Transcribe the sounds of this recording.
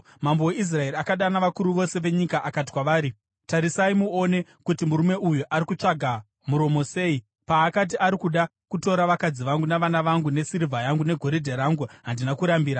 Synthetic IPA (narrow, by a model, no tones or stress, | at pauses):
mamboweis̬rae̞ɾiakaɗanaʋakuɾuʋo̞se̞ʋe̞ɲikaʔakat̬i̥kwaʋaːɾi | taɾisaimuo̞ne̞kutimuɾume̞ʔujuʔaɾikut͡ʂaɡʱa | muɾo̞mo̞se̞ːi | paːkat̬iʔaɾikuɗa | kuto̞ɾaʋakad͡ziʋaŋɡunaʋanaʋaŋɡune̞siɾivʱajaŋɡune̞ɡʱo̞ɾidʱeɾaːŋɡuɦandinakuɾambiːɾa